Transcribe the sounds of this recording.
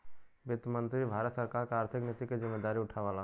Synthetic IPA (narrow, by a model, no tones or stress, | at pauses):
bɪt̪mənt̪ɾibʱaːɾət̪səɾkaɾkeaːɾt̪ʰɪknɪt̪ikezɪmːed̪aːɾiʊʈʰaʋala